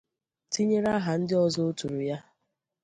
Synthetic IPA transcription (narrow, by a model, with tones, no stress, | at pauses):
ti˦ɲe˦ɾa˦ɦa˨n̩˦dɪ˦ɔ˦zɔ˦o˦tu˨ɾu˨ja˦